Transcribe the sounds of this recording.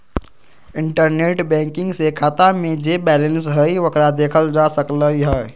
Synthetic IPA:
ɪ̃ɳʈəɾneːʈbɛ̃ːŋkɪ̃ŋɡsekʰaːt̪amẽd͡ʒeːbɛːlə̃nsɦəiʋəkɾad̪eːkʰəld͡ʒaːsəkləiɦɛː

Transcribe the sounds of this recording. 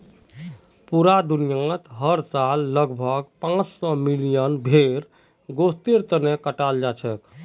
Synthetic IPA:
puɾad̪unijãt̪ɦəɾsalːəɡbʱəɡpãt͡ʃsɔmilijənbʱeɾ | ɡost̪eɾt̪ənekəʈald͡ʒat͡ʃʰɛk

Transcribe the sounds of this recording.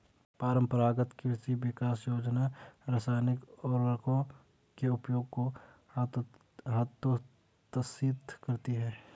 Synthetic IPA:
paːɾə̃mpəɾaːɡət̪kiɪsiʋɪkaːsjoːd͡ʒnaɾasaːɪnɪkɔːɾːɐkõ | keʊpjoːɡ̚ko | ɦɐt̪o | t̪əsiːt̪kɐɾt̪iɦɛː

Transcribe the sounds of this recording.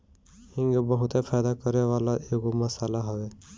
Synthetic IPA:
ɪ̃ŋɡbəɦʊt̪epʰaːjd̪akəɾeʋaːlaʔeɡomɐsaːlaɦɔʋeː

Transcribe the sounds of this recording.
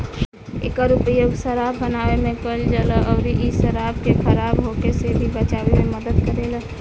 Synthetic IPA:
ḛkəɾupjoɡsəɾabːənaʋemẽpəld͡ʒaləʔəʊɾiʔisəɾab̚kekʰəɾabɦokesebʱibət͡ʃaʋememəd̪əd̪kəɾelə

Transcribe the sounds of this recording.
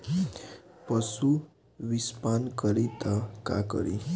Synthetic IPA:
pəsu | ʋispankəɾit̪əka̰kə̰ɾḭ

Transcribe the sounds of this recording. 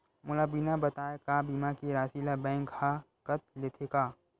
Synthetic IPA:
mʊlaːbiːnabɐt̪aːekaːbiːmakiɾaːsilabɛ̃ːŋkha | kət̪leːt̪ʰekaː

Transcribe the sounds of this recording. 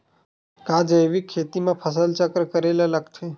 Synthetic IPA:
kad͡ʒəjʋikʰːeːt̪imãpʰəs̬əlt͡ʃəkɾkəɾelaləɡt̪ʰe

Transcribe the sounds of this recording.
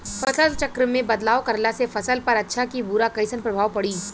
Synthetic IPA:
fʰɐsəlt͡ʃɐkɾmẽbɐd̪laːwkɐɾlasefɐsəlpɐɾɐtːʃʰakibuɾakɐɪsənpɾɐbʱaːʋpɐɽiː

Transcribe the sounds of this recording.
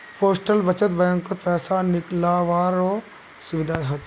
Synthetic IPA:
pʰoːsʈəlbət͡ʃət̪̚bɛ̃ːŋkːopɛːsanɪklaʋaːɾoː | sʊʋɪd̪ʱaːɦɐ

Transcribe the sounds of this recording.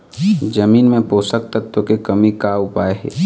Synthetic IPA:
d͡ʒɐmiːnmẽpoːsək̚t̪ət̪ːwokekɐmikaʊpaːeɦɛ̰ː

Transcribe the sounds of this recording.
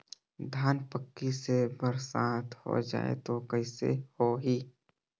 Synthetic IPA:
d̪ʱaːnpəkːisebəɾsaːt̪ʰho̰d͡ʒa̰ːḛt̪okəɪsḛhoɦiː

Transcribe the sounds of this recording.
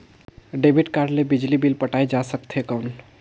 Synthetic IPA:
ɖebʱiʈkaɾɖlebid͡ʒlibilpəʈajd͡ʒasəkt̪ʰekəwn

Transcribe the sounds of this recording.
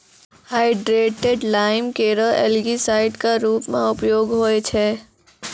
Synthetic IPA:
haːɪɖɾeːʈeɖlaːɪmkeːɾəḛlɡisaːɪɖkaɾuːpmḛ̃ʊpjoːɡɦoet͡ʃʰɛː

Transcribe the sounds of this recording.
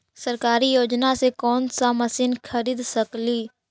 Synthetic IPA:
səɾkaːɾijoːd͡ʒnasekɔːnsamɐsiːnxʰɐɾiːd̪sɐkliː

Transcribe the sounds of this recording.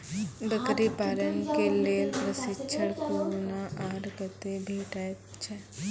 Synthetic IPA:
b̪əkɾipaːɾənkeleːlpɾəsɪt͡ʃʰəɽkuːlnaʔaːɖkət̪ebʱiʈaːpt͡ʃʰɛ

